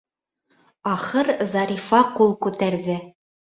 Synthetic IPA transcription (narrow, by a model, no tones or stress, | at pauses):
ɑχɤɾzɑɾʲifɑqulˠkʉt̪æɾðɘ